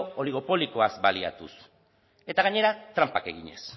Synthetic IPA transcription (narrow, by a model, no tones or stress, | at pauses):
oliɣ̞o̞po̞liko̞azbalia̰t̪us | e̞t̪aɣaɲe̞ɾat̪ɾampake̞ɣiɲe̞̰s